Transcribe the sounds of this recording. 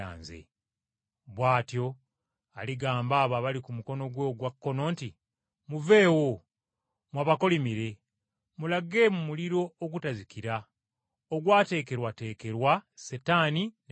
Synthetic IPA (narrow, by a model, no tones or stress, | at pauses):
a̰ːnzḛ | βwaːtjo̞ | aliɡaːmbaːβaβalikumuko̞no̞ɡweɡwakːo̞no̞ːnti | muve̞ːwo | mwaβako̞limiɾe̞ | mulaɡe̞mumuliɾo̞ːɡutazikiɾa | oɡwaːte̞ːke̞ɾwate̞ːke̞ɾwasetaːnin